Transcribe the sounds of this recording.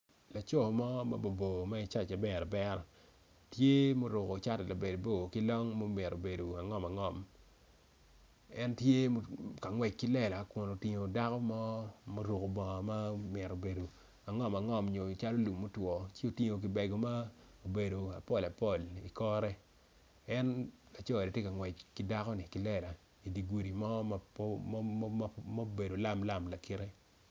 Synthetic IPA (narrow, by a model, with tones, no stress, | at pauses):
la˨t͡ʃɔ˦˨mɔ˦ma̰˦bo˨bo˨ma˦ɪ˦t͡ʃa˦˨t͡ʃa˨bɛ˦˨ɾɔ˨bɛ˦ɾɔ˨ | tje˦mo˦ɾʊ˨ko˨t͡ʃa˦tɛ˨la˨be˨do˨bo˦˨ki˦lɔ˦ŋmo˦mɪ˨ɾo˨be˨do˨a˨ŋɔ˦ma˨ŋɔ˨m | ɛ˦ntje˦mo˦ka˨ŋwɛ˨k̚ki˦lɛ˨la˨kʊ˨no˨ti˨ŋo˨da˦kɔ˦mɔ˦mo˦ɾu˨ko˨bɔ˨ma˦mɪ˨ɾo˨be˨do˨ | a˨ŋɔ˦ma˨ŋɔ˨mɲo˨t͡ʃa˦lo˦lu˨mːo˦twɔ˨t͡ʃe˦o˨ti˦ŋo˨k̬ɪ˨bɛ˨ɡo˨ma˦ | o˨be˨do˨a˨pɔ˦˨la˨pɔ˦˨li˨kɔ˦ɾɛ˦ | ɛ˦n | a˨t͡ʃɔ˦˨de˨tje˦ka˨ŋwɛ˨t͡ʃkɪ˦da˦kɔ˦nɪ˨kɪ˨lɛ˨la˨ | i˨di˨ɡu˨ɾi˨mɔ˦ma˦ | ma˦be˨do˨la˦mla˦˨mla˨ki˦ɾe˦